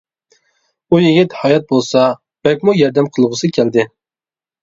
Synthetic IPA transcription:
ujɪɡʲɪt̪hɑːjɛt̪̚bolˠsɑ | b̥ɛlkʲmujɑɾd̪ɛmqʰəlˠʁʊsɨkʲʰæld̪ɪ

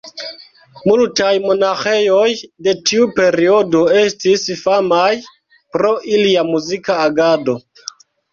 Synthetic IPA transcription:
multajmo̞naxe̞jo̞jde̞tiupe̞ɾio̞do̞e̞stisfamaj | pɾo̞ʔiliamuzikaːɡado̞

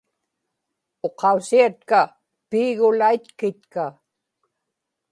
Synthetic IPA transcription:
oqɑusiat̪̚ka | piːɣʊlait̪kɪt̪ka

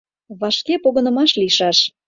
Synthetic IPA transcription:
βɑʃkepoɣə̆nə̆mɑʃliʃɑʃ

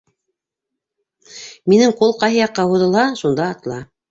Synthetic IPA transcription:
minɘŋqulˠqɑjɦɤjɑqːɑhuðɤ̆lˠɑʃund̪ɑːt̪ɤ̆lˠɑ

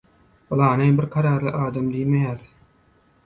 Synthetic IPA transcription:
olˠɑːnejbɪɾqʰɑɾɑːɾlˠɯʔɑːd̪ɑmd̪ijmejæːɾ

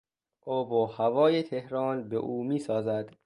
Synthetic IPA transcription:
ʔoːboːhævɒːjet̪ʰehɾɒːnbḛʔuːmiːsɒːzæd̪̥

